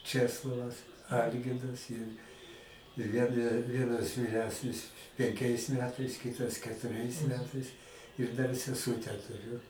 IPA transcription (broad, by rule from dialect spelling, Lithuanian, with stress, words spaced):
ˈt͡ʃʲæːslˠoːʋɐs ˈɐlʲɡʲɪrdɐs ɪr ɪr ˈʋʲiɛn ˈʋʲiɛnɐs ʋʲiːˈrʲæːsʲnʲɪs pʲɛŋʲˈkʲɛɪs ˈmʲæːtɐɪs ˈkʲɪtɐs kʲɛtʊˈrʲɛɪs ˈmʲæːtɐɪs ɪr ˈdɐr sʲɛˈsuːtʲæː tʊˈrʲʊ